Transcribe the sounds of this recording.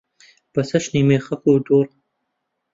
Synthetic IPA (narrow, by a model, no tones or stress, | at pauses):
b̥ɐsɐʃniːmeːxɐkuːd̪uːɾ